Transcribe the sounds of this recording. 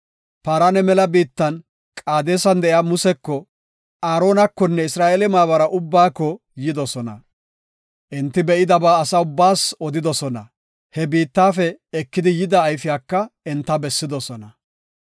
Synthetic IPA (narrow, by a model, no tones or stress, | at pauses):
paːɾɐnɛmɛlɐbiːt̪ːɐn | kʼaːd̪e̞ːsɐnd̪ɛʔɪaːmʊsɛkːɔ | ʔaːɾo̞ːnɐkːɔnːɛɪsɾaːʔeːlɛmaːβɐɾɐʔʊbːaːkːɔ | jɪd̪ɔsɔnɐ̰ | ʔɛnt̪ːɪbɛʔɪd̪ɐbaːsɐʊbːaːsɔd̪ɪd̪ɔsɔnɐ | hɛbiːt̪ːaːfɛɛkːɪd̪ɪjɪd̪ɐːjfɪjaːkːɐɛnt̪ːɐbɛsːɪd̪ɔsɔnɐ